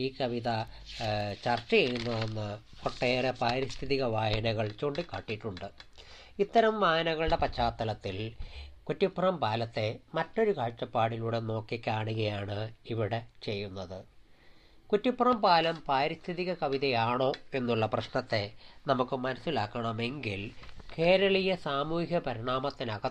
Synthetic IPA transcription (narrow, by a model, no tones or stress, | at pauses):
iːkɐʋiðɐ | t͡ɕɐrt͡ɕɐjejɾunːɐðenːɨ | poʈːe̞ːrepaːɾist̪ʰiðiɣɐʋaːjɐnɐɣɐɭt͡ɕo̞ːɳɖikːaːʈːiʈːuɳɖɨ | it̪ːɐɾɐmʋaːjɐnɐɣɐɭɽe̞pɐt͡ɕʰːaːt̪ːɐlɐt̪ːilkutːipːrɐmpaːlɐt̪ːe̞mɐtːo̞ɾukaːɻt͡ɕːɐpːaːɽiluːɽe̞no̞ːkːikʲːaːɳuɣɐjaːɳɨiʋiɽe̞t͡ɕe̞jːunːɐðɨ | kutːipːrɐmpaːlɐmpaːɾist̪ʰiðiɣɐkɐʋiðɐjaːɳo̞ːe̞nːuɭːɐprɐɕɳɐt̪ːe̞nɐmukːɨmɐnɐsilaːkːɐɳɐme̞ŋɡilke̞ːɾɐɭijɐsaːmuːɦjɐpɐɾiɳaːmɐt̪ːinɐɣɐ